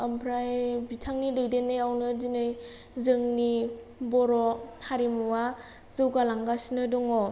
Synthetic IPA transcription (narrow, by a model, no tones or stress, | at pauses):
əmpʰɾajbitʰaŋnidejdenːɯjawnɯdinɯj | zɯŋni | bɔɾɔhaɾimuwa | zɯwɡalaŋɡasinɯdɔŋɔ